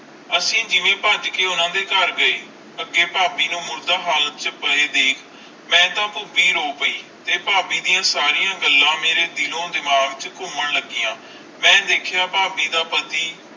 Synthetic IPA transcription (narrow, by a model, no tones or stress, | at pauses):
əsĩːd͡ʒɪʋẽːpəd͡ʒkeːʊnãːd̪eːkəɾɡəeː | əɡeːpaːbiːnũːmʊɾd̪aːɦaːlət̪̚t͡ʃpəɽeːd̪eːkʰ | mɛ̃ːt̪ãːpʊbiːɾoːpəiːt̪eːpaːbiːd̪ijãːsaːɾijãːɡəlːãːmeːɾeːd̪ɪlõːd̪ɪmaːɡt͡ʃkʊməɳləɡɪjãː | mɛ̃ːd̪eːkʰejaːpaːbiːd̪aːpət̪iː